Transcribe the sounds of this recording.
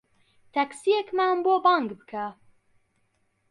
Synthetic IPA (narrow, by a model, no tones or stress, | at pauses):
t̪ʰɛksijekmæmboːbɑːŋɡbɨkʰɛ